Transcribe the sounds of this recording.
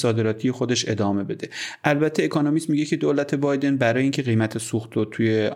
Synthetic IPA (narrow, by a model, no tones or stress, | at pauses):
sɒːd̪e̞ɾɒːt̪ʰije̞xo̞d̪e̞ʃe̞d̪ɒːme̞be̞d̪e̞ʔælbæt̪ʰːeːkʰonomist̪miɟe̞cʰe̞d̪oːlæt̪ʰe̞bɒjd̪e̞nbæɾɒːjeiŋcʰe̞ɣejmæt̪ʰe̞suxt̪ot̪ʰuje̞